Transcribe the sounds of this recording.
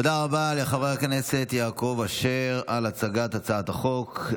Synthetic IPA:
od̪aʁabale̞χaveknese̞t̪jaːko̞vaʃeʁalat͡saɡat̪hat͡saat̪aχo̞k

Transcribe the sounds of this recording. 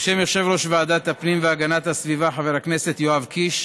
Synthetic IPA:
ʃemeʁʃe̞vʁo̞ʃvaaːd̪at̪apnimveaɡanat̪hasvivaħave̞ʁhakne̞se̞t̪joavkʰiʃ

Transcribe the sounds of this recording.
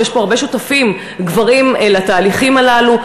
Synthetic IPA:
jeʃbo̞aʁbeʃutafim | ɡvaʁimelat̪aːliχimalalu

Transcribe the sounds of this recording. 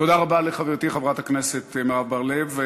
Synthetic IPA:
tod̪aʁabaleχaveʁt̪iχavʁat̪akneset̪meʁavbaʁlev

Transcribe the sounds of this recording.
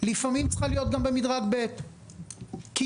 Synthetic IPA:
lifamimt͡sχalijo̞t̪̚ɡambe̞midʁaɡbe̞t̪ | ki

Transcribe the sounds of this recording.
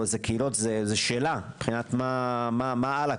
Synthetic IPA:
zekeilotzezeʃeːlab̥χinat̪mamamaala

